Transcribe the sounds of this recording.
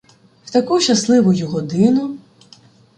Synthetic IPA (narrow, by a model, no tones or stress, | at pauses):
w̥t̪ɐkuʃɐslˠɪʋʊjʊɦɔd̪ɪnʊ